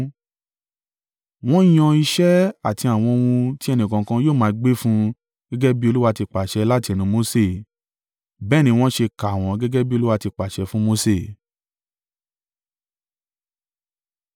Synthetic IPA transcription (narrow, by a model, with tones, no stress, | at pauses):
w̃ɔ̃˦j̃ɔ̃˧i˧ʃɛ˦a˦˨ti˧a˨w̃ɔ̃˧o˧wũ˧ti˦ɛ˧nĩ˨kã˨˧kã˧joː˦˨mã˨˦˧ɡ͡be˦fũ˦ | ɡ̥ɛ˦ɡɛ˦bi˦o˧lu˦wa˧ti˧k͡pa˨ʃɛ˧˦la˦ti˧ɛ˧˨nũ˨˧˦mo˧˦se˦˨ | bɛː˦˨nĩ˧w̃ɔ̃˦ʃe˧ka˨w̃ɔ̃˨˦ɡɛ˦ɡɛ˦bi˦o˧lu˦wa˧ti˧k͡pa˨ʃɛ˧fũ˦mo˦se˦˨